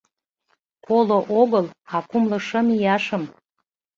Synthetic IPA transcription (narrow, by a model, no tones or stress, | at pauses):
koloʔoɣəlˠɑkumlɤ̆ʃə̆mijɑʃə̆m